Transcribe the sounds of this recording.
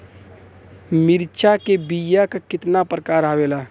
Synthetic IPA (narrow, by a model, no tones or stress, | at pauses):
mɪɾt͡ʃakebijakakɪt̪napɾəkaːɾaːwelaː